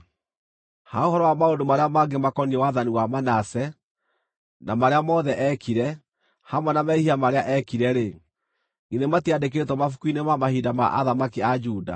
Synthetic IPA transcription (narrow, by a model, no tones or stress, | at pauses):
haohɔɾɔwamaondomaɾeamaɡemakɔniɛwaðaniwamanasɛ | namaɾeamɔðɛʔɛkiɾɛ | hamwɛnamɛihiamaɾeaʔɛkiɾɛɾe | ɡinematiadek̬eɾetwɔmafukuinemamahidama̰ʔa̰ðamakiad͡ʒuːda̰